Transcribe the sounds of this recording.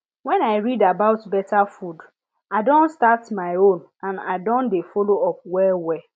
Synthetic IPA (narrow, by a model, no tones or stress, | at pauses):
wɛ̃naɪɹidabaʊtbɛtafud | aɪdɔ̃ntstatmaɪõn | ãna̰ɪdɔ̃ndefoloɔp̚wɛwɛ